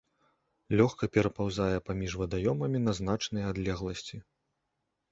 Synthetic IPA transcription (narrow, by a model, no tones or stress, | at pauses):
lʲɔxkɐpʲɛɾɐpawzajɛpamʲiʐvɐd̪ajɔmɐmʲinɐzn̪at͡ʂnɨjad̪lʲɛɣlˠɐsʲt͡sʲi